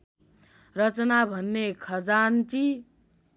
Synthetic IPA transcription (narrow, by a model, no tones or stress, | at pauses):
rʌt͡sʌnabʱʌnːekʰʌd͡zant͡si